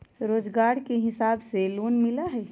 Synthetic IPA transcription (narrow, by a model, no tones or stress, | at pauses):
ɾoːd͡ʒɡaːɾkeɦɪsaːbseloːnmɪlaɦɛː